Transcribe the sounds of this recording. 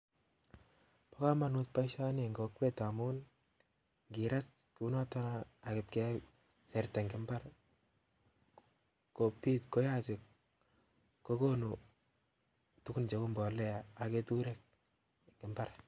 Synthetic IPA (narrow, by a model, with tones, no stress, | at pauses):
pa˦ka˦ma˨nu˦t̚pa˦iʃa˦ne˨ŋɡo˨kwe˦ta˨mu˦n | ŋɡi˨ɾa˦s | ku˨˦nɔ˦tɔ˦na˦a˨kɪ˨p̚ke˦ | sɛ˨ɾtɛ˨ŋɡɪ˨mba˦ɾ | ko˨piː˦tko˦ja˦sɪ˨k | kːo˦ko˦nu˨ | tu˦ku˦nt͡ʃe˨ku˦mbɔ˨lɛ˦a˨a˨ke˦tu˦ɾe˦k̚ | kɪ˨mba˦ɾ